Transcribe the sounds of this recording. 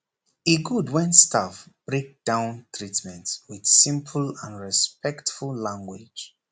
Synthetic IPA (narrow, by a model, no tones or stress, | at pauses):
eɡudwɛ̃nstʰafb̥ɹek̚d̥ãʊ̃ntʰɹitmɛ̃ntswid̥sĩmpʰəlãnɹispɛktfulˠlãŋɡwɪ̥d͡ʒ